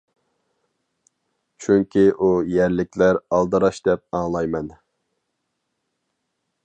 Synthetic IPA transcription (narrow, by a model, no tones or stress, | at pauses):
t͡ʃʰyŋkʲʰiʔujæɾlɪkʲlæɾɑlˠd̪ɨɾɑʃd̪ɛp̚ɑŋlˠɑjmɛn